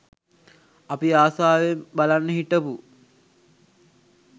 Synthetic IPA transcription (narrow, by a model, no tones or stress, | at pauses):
apiaːsaːʋembalanːəɦiʈəpu